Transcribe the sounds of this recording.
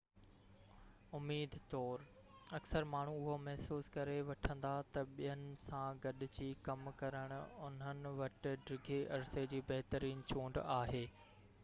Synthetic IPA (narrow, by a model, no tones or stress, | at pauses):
ʊmiːd̪ʱt̪ɔːɾ | ɐksəɾmaːɳ̤uʊɦomɛɦsuːskɐɾeʋɐʈʰə̃nd̪at̪ɐɓijənɪ̆sãɡɐɗʊ̆d͡ʑiːkɐmkɐɾəɽ̃ʊʊn̤ənɪ̆ʋɐʈɪ̆ɖɾɪɡʱeʔɐɾsed͡ʑiːbɐɦt̪əɾiːnt͡ɕũːɳɖaːɦeː